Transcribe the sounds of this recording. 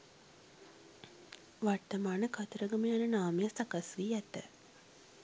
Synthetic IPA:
ʋart̪ɐmaːnəkat̪əɾəɡɐməjanənaːməjasɐkasʋiːɛt̪ə̰

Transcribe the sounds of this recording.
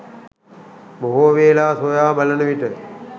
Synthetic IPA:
boɦoːʋeːlaːsoːjaːbɐlənəʋiʈə

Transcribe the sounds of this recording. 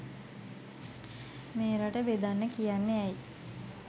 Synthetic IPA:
meːɾaʈəbed̪anːəkijanːeɛj

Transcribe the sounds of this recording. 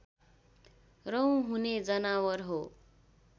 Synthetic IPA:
rʌw̃ɦuned͡zʌnawʌrɦo

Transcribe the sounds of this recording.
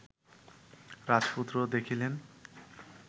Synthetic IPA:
ɾad͡ʑput̪ːɾod̪ekʰilen

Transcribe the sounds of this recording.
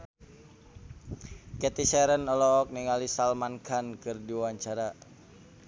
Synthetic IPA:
kɛt̪isɛɾənɔlɔk̚niŋalisalmankankɨrdiwaɲt͡ʃaɾa

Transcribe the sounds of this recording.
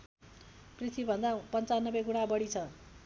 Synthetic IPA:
prit̪ʰibʱʌnd̪apʌnt͡sanːʌbeɡuɽ̃abʌɽit͡sʰʌ

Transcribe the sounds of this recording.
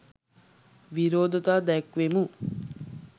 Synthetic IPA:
ʋiɾoːd̪ət̪aːd̪ɛkʋemu

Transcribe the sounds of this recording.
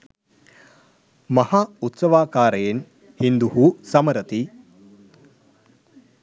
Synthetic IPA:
mɐhaːut̪sɐʋaːkaːɾɐjen | hind̪uhusɐmɐɾɐt̪i

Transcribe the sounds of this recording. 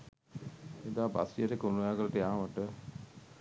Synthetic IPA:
ed̪aːba̰sijəʈəkəunujaːɡələʈəjaːʋəʈə

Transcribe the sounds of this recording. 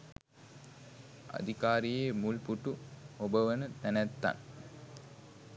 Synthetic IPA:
a̰d̪ikaːɾijeːmulpuʈuobəʋənət̪ænæt̪ːa̰n

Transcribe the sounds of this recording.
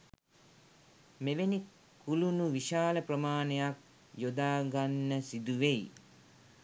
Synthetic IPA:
meʋenikː | ulunuʋiʃaːləprəmaːnəjak̚ | jod̪aːɡanːəsid̪uʋej

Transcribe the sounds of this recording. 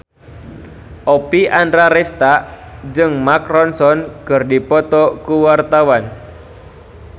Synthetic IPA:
ʔɔpiʔandɾaɾɛst̪aʔ | d͡ʒɨŋmakɾɔnsɔnkɨrdipɔt̪ɔkuwart̪awan

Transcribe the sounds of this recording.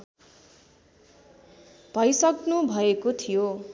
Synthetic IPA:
b̥ʱʌjsʌknubʱʌekot̪ʰijo

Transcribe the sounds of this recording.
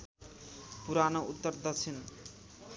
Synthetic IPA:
puɾanout̪ːʌrd̪ʌt͡sʰen

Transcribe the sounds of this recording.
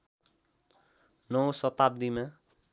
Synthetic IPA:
nʌwsʌt̪ab̚d̪ima

